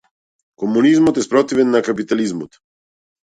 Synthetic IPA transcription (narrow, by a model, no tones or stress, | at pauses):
kɔmunizmɔt̪ɛspɾɔt̪ivɛnːakapit̪alizmɔ̰t̪